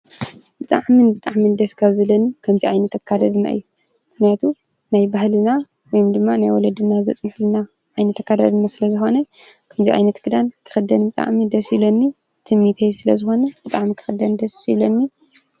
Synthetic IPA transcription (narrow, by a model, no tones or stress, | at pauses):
bɨt̪ʼa̰ʕmɨnbɨt̪ʼaʕmɨnd̪ɐskʰaβzɐlɐnikʰɐmziʕajnɐt̪ɐkʰːad̪ɐd̪ɨna̰ʔɨ̰jːu | mɨxnijat̪ʰu | najbahlɨna | wɔjumd̪ɨmːanajwɔlɐd̪ɨnazɐ̰t͡sʼmɨħlɨna | ʕajnɐt̪ɐkːad̪ad̪ɨnasɨlɐzɨxo̞nɐ | kʰɐmziʕa̰jnɐt̪ɡɨd̪ank̪ʰɨ̥xɨd̪ɐnbɨt̪ʼa̰ʕmid̪ɐsilonːi | t̪ʰɨmːit̪ʰejsɨlɐzɨxo̞nɐbɨt̪ʼaʕmik̪ʰɨ̥xɨd̪ɐnd̪ɐsilonːi